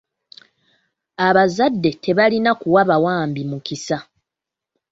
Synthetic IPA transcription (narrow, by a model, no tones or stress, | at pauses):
aβazadːe̞te̞βalinakuwaβawaːmbimukisa